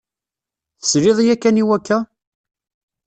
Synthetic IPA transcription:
θə̥sɾɪðˤjækːæniwækːæ

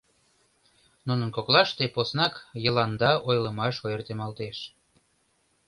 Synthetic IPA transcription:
nunənkoklɑʃt̪eposnɑkjə̆lɑnd̪ɑʔojləmɑʃojərt̪emɑlt̪eʃ

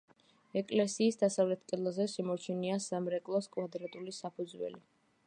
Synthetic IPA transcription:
ɛkʼlɛsiːsd̪asavlɛt̪̚ʰkʼɛd̪lzɛʃɛmɔɾt͡ʃʰɛniasamɾɛkʼlˠɔskʼvad̪ɾat̪ʼulisapʰud̪zwɛ̰li

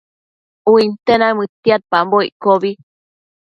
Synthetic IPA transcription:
uint̪enamɨt̪iat̪̚pamboiʔkoβi

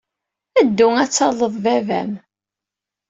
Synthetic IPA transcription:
æd̪ːuŋæt͡sːɑlˤəðˤvævæ̰m

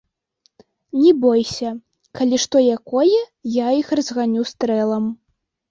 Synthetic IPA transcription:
nʲɛbɔjsʲɐ | kalʲiʂt̪ɔjakɔjɛjaixrɐzɣanʲust̪ɾɛlˠɐm

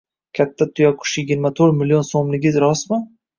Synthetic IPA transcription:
kʲʰat̪ʰːat̪ʰʊjakʰʊ̥ʃjɪɡʲɪɾmat̪ʰɵɾmɪlijonsomlɪɡʲɪzɾɒsmɪ

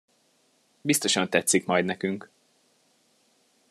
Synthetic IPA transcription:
bist̪o̞ʃɒnt̪ɛt̪sikmɒjd̪nɛkyŋk

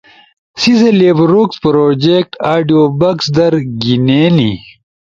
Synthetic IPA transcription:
sizeleːbɾukspɾoːd͡ʑek̚ʈaːɖijoːbɐksd̪ɐɾɡineːni

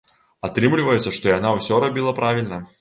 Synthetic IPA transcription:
ɐt̪ɾɨmlʲɪvəjɛt̪sʲːəʂt̪ɔiɐnawsʲɔɾɐbʲilˠɐpɾavʲɪlʲnə

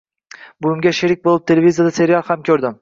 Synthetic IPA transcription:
bʊjɪmɡʲaʃɪɾɪk̚ʲbolˠɪp̚t̪ʰelevizijad̪ase̞ɾijalˠhamkʲʰɵɾd̪ɪm

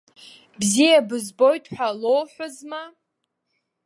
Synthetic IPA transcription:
bzijabɨzbojtʰʼħʷᶣalowħʷʊzma

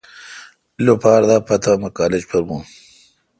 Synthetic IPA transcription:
ilopaːɾd̪aːpɐt̪amɐkaːled͡ʑpɐɾmũː

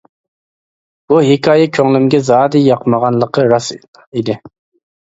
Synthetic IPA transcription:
b̥uɦɪkʰɑːjɛkʲʰøŋlymɡʲɛzɑːd̪ijɑqʰməʁɑnlˠəqʰəɾɑs | id̪ɪ

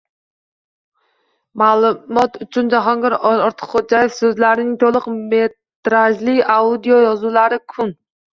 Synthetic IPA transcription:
mɑːlˠɨmɑt̪yt͡ʃʰynd͡ʒɑɦɑŋɡʲɑɾɑɾt̪ʰə̥qχod͡ʒɑjɪfsøzlæɾɪnɪŋt̪ʰolˠəqmet̪ɾɑʒlˠɪkʲɑud̪ijojɑzulˠɑɾɨkʲʰun

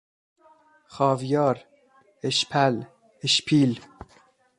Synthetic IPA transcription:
xɒːvjɒːɾ | eʃpʰæl | eʃpʰiːl

